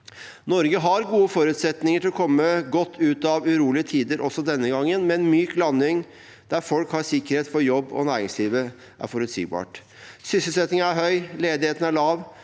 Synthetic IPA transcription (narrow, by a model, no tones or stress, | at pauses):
nɔɾɡəɦɑɾɡuːəfɔɾʉt̪sɛt̪nɪŋəʈʰɪlɔkʰɔmːəɡɔt̪ʰːʉːt̪ɑʋʉɾuːlɪət̪ʰiːd̪əɾʔɔsːɔd̪ɛnːəɡɑŋːənmɛɛnmyːklɑnːɪŋ | d̪̥æɾfɔlkhɑsɪkːəɾheːt̪fɔɾjɔbːɔ̰næːɾɪŋsliːʋə | ʔæ̰ɾfɔɾʉt̪sḭːɡbɑ̰ːʈ | sʏsəl̩sɛt̪nɪŋəæɾɦœʏleːd̪ɪheːt̪ən̩æɭɑːʋ